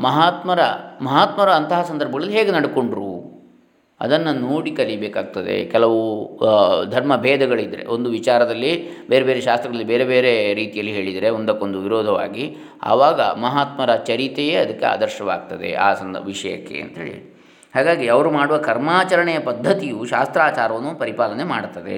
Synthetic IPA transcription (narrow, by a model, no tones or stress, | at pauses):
mɐɦaːt̪mɐɾɐmɐɦaːt̪mɐɾɐːnt̪ɐɦɐsɐnd̪ɐɾbʱɐɡɐɭɐlːiɦeːɡenɐɽko̞ɳɖɾu | ɐ̰d̪ɐnːɐnoːɽikɐlibeːkaːɡ̚t̪ɐd̪e̞̰kɛlɐʋu | d̪ʱɐɾmɐbʱɛːd̪ɐɡɐɭid̪ːɾe̞̰ʔo̞nd̪uʋit͡ʃaːɾɐd̪ɐlːibe̞ːɾebe̞ːɾeʃaːst̪ɾɐɡɐɭɐlːibeːɾebeːɾe̞ɾiːt̪ijɐlːiɦeːɭid̪ɐɾeond̪ɐkːond̪uʋiɾɔːd̪ʱɐʋa̰ːɡi | ɐ̰ʋaːɡɐ̰mɐɦaːt̪mɐɾɐt͡ʃɐɾit̪ejeɐd̪ɐkːḛa̰ːd̪ɐɾʃɐʋaːɡ̚t̪ɐd̪ḛʔa̰ːsɐnʋiʂɐjɐ̰kːe̞̰ɐ̰nt̪ɐɦḛːɭḭ | haːɡaːɡiɐʋɐɾumaːɽuʋɐkɐɾmaːt͡ʃɐɾɐɳɛjɐpɐd̪ʱːɐt̪ijuʃaːst̪ɾaːt͡ʃaːɾɐʋɐnːupɐɾipaːlɐne̞maːɽt̪ːɐd̪ḛ